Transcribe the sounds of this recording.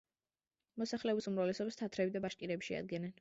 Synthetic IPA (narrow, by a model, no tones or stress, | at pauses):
mɔsaχlɛɔbisumɾavlɛsɔbast̪ʰat̪ʰɾɛbid̪abaʃkʼiɾɛbi̥ʃɛa̰d̪̚ɡɛnɛn